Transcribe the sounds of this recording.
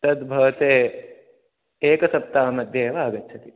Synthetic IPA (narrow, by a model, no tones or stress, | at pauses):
t̪ɐd̪bʱɐʋɐt̪eː | eːkɐsɐp̚t̪aːmɐd̪jeːʋaːɡɐtːt͡ʃʰɐt̪i